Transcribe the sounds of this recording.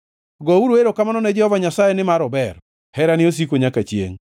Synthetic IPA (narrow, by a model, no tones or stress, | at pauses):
ɡɔuɾoeɾokamanɔnɛd͡ʒɛhɔvaɲasajenɪmaɾɔbɛr | hɛɾanɪos̬ikoɲakat͡ʃjḛŋ